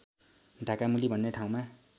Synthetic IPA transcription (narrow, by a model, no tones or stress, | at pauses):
ɖʱakamulibʱʌnːeʈʰaw̃ma